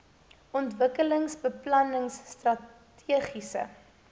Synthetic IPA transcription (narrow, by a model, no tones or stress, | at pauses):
ʔɔntvəkələŋsbəplɐnəŋsːtrɐ | tʰiəχisə̰